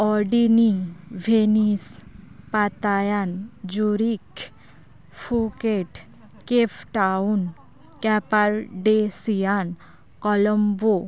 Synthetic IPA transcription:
ɔɾɖiniʋʱenispat̪ajand͡ʒuɾik | fʰukeʈ | kepʰʈaun | kɛpaɾɖesijan | kɔləmbo

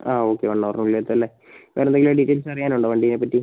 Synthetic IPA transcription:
aːoːkːeʋɐɳːɐʋɐrnuilːet̪ːɐlːe | ʋʔeːɾend̪eŋɡiloɖitːeːlsɐrijaːnuɳɖɨʋɐɳɖinepːɐtːi

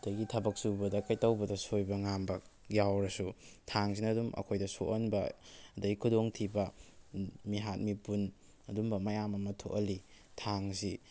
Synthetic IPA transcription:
d̥ɐjɡitʰɐbɐk̚subɐdɐkɐjtɐwbɐdɐsojbɐŋambɐ | jawɾɐsutʰaŋs̬inɐːdumʔɐ̰kʰojdɐso̰ʔɐnbɐɐdɐɡikʰudoŋtʰibɐ | miɦat̚mipun | ɐdumbɐmɐjamɐmɐtʰo̰ʔɐli | tʰaŋsi

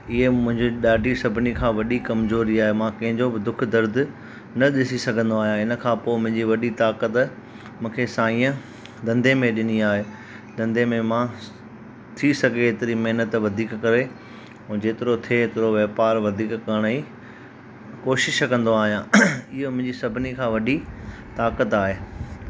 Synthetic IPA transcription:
ɪɦemʊ̃ɦɪ̃ɲd͡ʑiɗaːɖʱisɐbʱɪnikʰãːʋɐɗikɐmzoːɾiaːɦemãkɐɦɪ̃ɲd͡ʑobɪd̪ʊkʰd̪ɐɾd̪ʱʊ̆ | nɐɗɪsisɐɡʱə̃nd̪oaːɦijãɪnə̆kʰãːpoːmʊ̃ɦɪ̃ɲd͡ʑiʋɐɗit̪aːkət̪ | mũːkʰesãːĩːə̃ | d̪ɐ̃nd̪emẽɗɪniaːɦeː | d̪ɐ̃nd̪emẽmã | t̪ʰisɐɡʱeɪt̪ɪɾimɐɦnət̪ʋɐd̪ʱiːkkɐɾẽː | d͡ʑeːt̪ɪɾot̪ʰeɪt̪ɪɾoʋɛːpaːɾʋɐd̪ʱiːkkɐɽ̃i | koːʃɪʃkɐ̃nd̪oaːɦijãɪɦomʊ̃ɦɪ̃ɲd͡ʑisɐbʱɪnikʰãːʋɐɗi | t̪aːkət̪aːɦeː

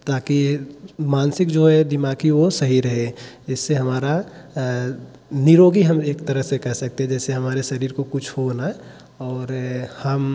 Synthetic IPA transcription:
t̪aːkimaːnsɪkd͡ʒoɦɛd̪ɪmaːkiʋosəɦiɾəɦe | ɪsːeɦɐmaːɾa | niɾoːɡiɦəmeːkt̪əɾəɦsekɐɾsək̚t̪eɦɛ̃d͡ʒɛːseɦɐmaːɾeʃəɾiːɾkokʊt͡ʃʰɦona | ɔːɾhəm

